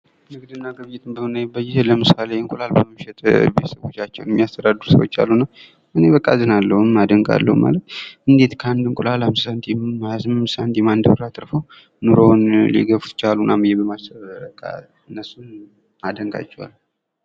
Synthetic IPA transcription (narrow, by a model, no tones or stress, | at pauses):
nɨɡd̪ɨnːaɡəβjɪt̪ʰʼɨmbəhonəjɛbːəjɪeləmɨsaleŋkʼulalbəmɨʃɛt̪ʼbet̪səβo̞t͡ʃːat͡ʃːɛ̰wnɛmːijast̪ʰəd̪ad̪ɨɾusə̰wo̞̰t͡ʃːa̰lːunəw | ʔɨneβəkʼːazɨnalːəhumːad̪əŋkʼa̰lːə̰huma̰lət̪ʔɨnd̪e̞t̪kʰəand̪ɨŋkʼulalamssant̪ʰjazmmsant̪jɛmand̪əwɾat̪ʼɾfəw | nuɾonlḭɡəfut̪t͡ʃalunamjebəmasəβkʼa̰ | nːəsun | ad̪əŋɡʼa̰t͡ʃʼːɛwa̰lː